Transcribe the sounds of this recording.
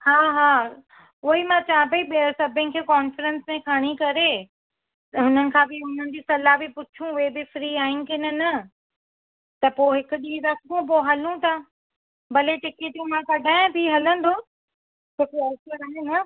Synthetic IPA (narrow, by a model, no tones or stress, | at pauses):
haːɦaː | ʊɦimãt͡ɕãːpɐiɓiəɾsɐbʱənɪ̆kʰeːkaːnfɾə̃nsmẽkʰaɽ̃ikɐɾe | ɦʊnənɪ̆kʰãːbɪɦʊnənɪ̆d͡ʑiːsɐlaːbipʊt͡ɕʰũʊɦebɪfɾiːaːɪ̃nɪ̆kɪnɪnɐ | t̪ɐpoːɦɪkʊ̆ɗiːɾɐsʰõpoːɦɐlũt̪a | bɐleʈɪket̪emãkɐɖʱaːɪ̃bʱiɦɐlə̃n̆d̪oː | t͡ɕʰoːkeɐsəɾaːɦenɐ